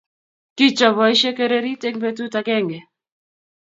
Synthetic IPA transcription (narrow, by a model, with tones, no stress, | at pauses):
ki˦t͡ʃɔ˨βɔ˨i˦ʃe˦ke˦ɾe˦ɾi˦te˦ŋbe˦tu˦ta˨kɛ˦˨ŋɡɛ˨